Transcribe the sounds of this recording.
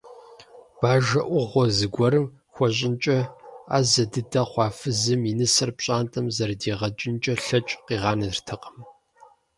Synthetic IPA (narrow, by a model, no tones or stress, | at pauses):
b̥aːʒɐʔʷʊʁʷɔzɨɡʷɔɾɨm | xʷɔɕ̬ʼɪnt͡ʃʼɐa̰ːzɐdɨdɐχʷɑːfɨzɨminɨsɐrpɕʼaːntʼɐmzɐrdiːʁɐt͡ʃʼɪnt͡ʃʼɐɬɐt͡ʃʼqiːʁɑːnɐɨrtʰɐqə̥m